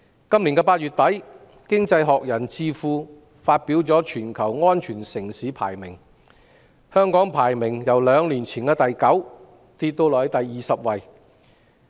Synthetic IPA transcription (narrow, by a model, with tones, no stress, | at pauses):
kɐ˥mli˨˩nkɛː˧paː˧t̚yː˨t̚t̪ɐ˨˥j | kɪ˥ŋt͡sɐ˧jɦɔː˨k̚jɐ˨˩nt͡siː˧fuː˧ | faː˧t̚piː˨˥wt͡sɔː˨˥t͡ʃʰyː˨˩nkʰɐ˨˩wŋɔː˥nt͡ʃʰyː˨˩nsɪ˨˩ŋsiː˨˥pʰa̰ː˨˩jmɪ˨˩ŋ | hœː˥ŋkɔː˨˥ŋpʰaː˨˩jmɪ˨˩ŋjɐ˨˩wlœː˨˧ŋliː˨˩nt͡sʰiː˨˩nkɛː˧t̪ɐ˨jkɐ˨˥w | t̪iː˧t̪̚ːo˧wlɔː˨˩hɐ˨˥jt̪ɐ˨jːiː˨sɐ˨p̚wɐ˨j